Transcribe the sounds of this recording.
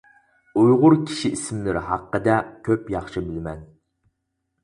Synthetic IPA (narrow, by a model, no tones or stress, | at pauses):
ujʁʊɾkʲʰi̥ʃiisɪmlɪɾɦɑqːəd̪ɛkʲʰøpjɑχʃɨbɪlmɛn